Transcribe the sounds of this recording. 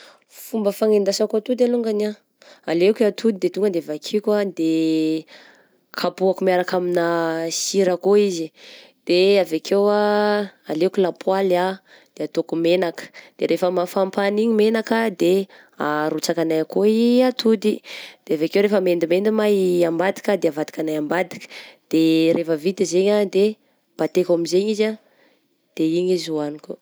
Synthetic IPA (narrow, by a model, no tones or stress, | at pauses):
fumbəfaŋend̪asakoat̪ud̪aluŋɡana | alekat̪ʰud̪id̪et̪uŋɡənd̪eavakʰikad̪e | kʰapuakumiaɾakaminasiɾakoizi | d̪̥eavakʰewaalekulapʰwala | d̪̥eat̪okumenakə̥d̪̥eɾefəmafampaniɲimenakəd̪e | aɾut͡sakanajakoiat̪ʰud̪id̪̥eavekewɾefəmend̪imend̪imaambad̪i̥kəd̪eavad̪i̥kanajambad̪i̥kə̥d̪̥eɾʔefəvit̪əzeɲad̪e | b̥at̪ekamizeɲiza | d̪̥eiɲizuaniko